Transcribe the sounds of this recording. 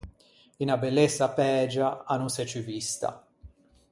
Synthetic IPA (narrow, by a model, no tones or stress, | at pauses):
inabɛlːesːapɛːd͡ʒaanunsɛt͡ʃyvist̪a̰